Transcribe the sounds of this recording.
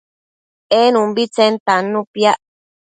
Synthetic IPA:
enũmbit͡sent̪anːũpjaʔ

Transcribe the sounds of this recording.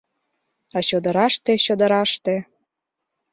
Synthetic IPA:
ɑɕod̪ə̆ɾɑʃt̪eɕod̪ə̆ɾɑʃt̪e

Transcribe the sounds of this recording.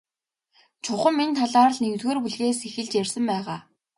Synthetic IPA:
t͡ɕʰʊχə̆mːint̪ʰaɮaːrə̆ɮneŋt̪ɣoːrpuɮɣeːsexɘ̆ɮt͡ɕjærʲsə̆mpæːʁaː

